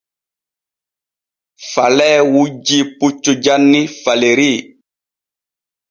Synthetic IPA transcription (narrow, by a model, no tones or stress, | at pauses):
falɛwud͡ʒiput͡ʃːud͡ʒanːifaleɾi